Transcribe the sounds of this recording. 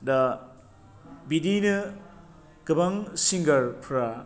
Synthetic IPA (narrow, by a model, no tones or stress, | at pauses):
d̪ɐ | bidinɯ | kɯbaŋsiŋɡɐɾpʰɯɾa